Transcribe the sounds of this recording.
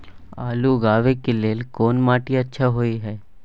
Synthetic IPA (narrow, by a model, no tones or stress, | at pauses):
a̰ːluɡaːʋekeleːlkoːnmaːʈiɐtːʃʰaɦoːiɦɛː